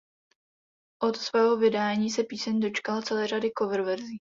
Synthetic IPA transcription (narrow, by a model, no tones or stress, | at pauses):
ʔot̪svɛːɦo̞vɪdaːɲiːsɛpiːsɛɲdo̞t͡ʃkalat͡sɛlɛːr̝adɪko̞vɛɾvɛɾziː